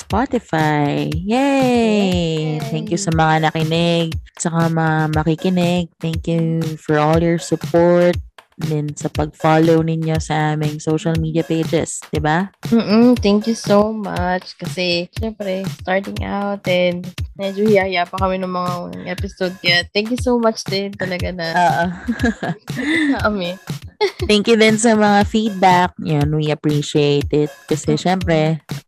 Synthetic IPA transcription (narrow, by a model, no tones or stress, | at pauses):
spat̪ɪfajjɛ | t̪ɛŋkjʊsɐmɐŋanɐkɪnɪɡ̚t͡ʃɐkamɐŋamɐkikɪnɪɡ̚t̪ɛŋkjufɔɹʔɔljɔɹsʊpoɹt̪̚ | d̪ɛnsɐpɐɡ̚falownɪɲjo̞sɐʔaːmɪŋsowʃɐlmiːd̪iɐped͡ʒɛ̰sd̪̥ɪbam̩ːʔm̩t̪ɛŋkjusomat͡ʃkɐsɛʃɛmpɾɛst̪aɹt̪ɪŋʔa̰wt̪ɛnd̪mɛd͡ʒohɪahɪjaːpɐkɐmɛnʊŋmɐŋaʔɛpɪsod̪̚kɐjat̪ɛŋkjusowmat͡ʃd̪ɛnt̪ɐlɐɡanɐoːʔo | ʔɐmi | t̪ɛŋkjʊd̪ɪnsɐmɐŋafid̪̚bak̚jonwiɐpɹiʃiejt̪ɪt̪̚kɐsɛʃɛmpɾɛ